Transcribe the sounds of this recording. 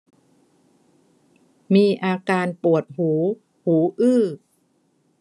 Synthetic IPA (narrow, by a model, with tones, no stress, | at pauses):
miː˧ʔaː˧kaː˧npu˨˩ət̪̚huː˩˦ | huː˩˦ʔɯː˥˩